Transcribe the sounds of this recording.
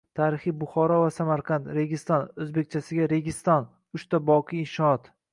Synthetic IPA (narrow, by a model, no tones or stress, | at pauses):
t̪ʰaɾɪχijbʊχɒɾɒvasamaɾqʰɑnt̪ɾe̞ɡʲɪst̪ɒnɵzbe̞k̚ʲt͡ʃʰasɪɡʲaɾe̞ɡʲɪst̪ɒn | ʊʃt̪abɒqʰɨjːnʃɒɒt̪